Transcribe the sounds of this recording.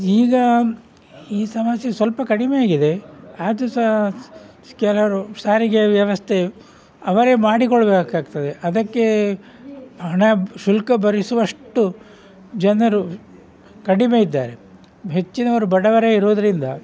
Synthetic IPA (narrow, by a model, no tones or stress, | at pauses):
iːɡɐ | iːsɐmɐsjɐsʋɐlpɐkɐɽimejaːɡid̪e̞aːd̪us | kɛlɐɾusaːɾiɡeʋjɐʋɐst̪ʰe̞ | ɐʋɐɾe̞ːmaːɽikoɭɐbeːkaːɡ̚t̪ɐd̪eʔɐd̪ɐkːe̞ | ɦɐɳɐʃulkɐbɐɾisuʋɐʂʈːu | d͡ʒɐnɐɾu | kɐɽime̞id̪ːaːɾe̞ | ɦe̞t͡ʃːinɐʋɐɾubɐɽɐʋɐɾeiɾoːd̪ɐɾind̪ɐ